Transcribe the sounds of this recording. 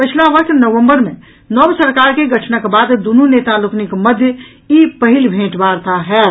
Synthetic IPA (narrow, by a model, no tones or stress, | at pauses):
pət͡ʃʰlabəkt̪ʰnəʋə̃mbəɾmẽ | nɔbsəɾkaɾkeɡəʈʰnəkbad̪d̪ununet̪aluknikməd̪ʱjə | ipəɦilbʱẽʈbaɾt̪aɦɛ